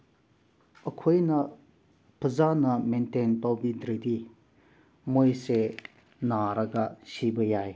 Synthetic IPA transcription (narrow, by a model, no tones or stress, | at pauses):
əkʰojnɐ | pʰəzanɐmentenpawbidɾedi | mojse | naɾɐɡasibəjaj